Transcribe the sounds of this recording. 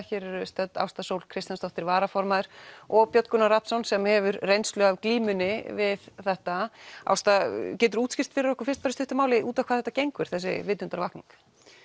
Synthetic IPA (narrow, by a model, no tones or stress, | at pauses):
çɛːɾɛɾʏst̪œt̪ːa̰wst̪asowlkʰɾɪst̪janst̪ɔft̪ɪɾvaːɾafɔɾmaðʏɾ̥ɔɣpjœt̪kʏnaɾat̪sɔnsɛmhɛvʏɾrejnslœɣavkliːmʏnɪvɪðθɛht̪aa̰wst̪acɛːt̪̬ʏɾuːt̪scɪst̪fɪɾɪɾɔhkʏ̥ɾfɪ̥rst̪faːɾɪst̪ʏht̪ʏmaːwlɪʔuːt̪avkʰaðθɛt̪ːacejŋkvʏɾ̥θɛsːɪ̰vɪːt̪ːʏnt̪aɾvahkniŋk